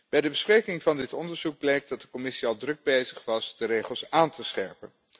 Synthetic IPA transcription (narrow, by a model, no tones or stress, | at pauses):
b̥ɛjdəbəsprejkɪŋvɑndɪtɔndəɹzuɡ̚blejk̚dɑt̚dəkɔmɪsiɑlˠdrɵɡ̚bejzəχʋɑzdərejχəlˠsaːntəsχɛ̰ɹpən